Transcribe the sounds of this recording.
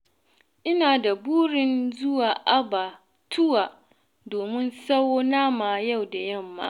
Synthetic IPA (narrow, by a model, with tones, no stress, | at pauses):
ʔɪ˦naː˨da˨buː˦ɽɪ˦nzʊ˦waː˨ʔa˦ba˨ | tʰʊ˦waː˨ | doː˨mɪ˦nsa˦woː˦naː˦maː˨ja˦˨wda˨jɐ˦˨mːa̰ː˦ʔ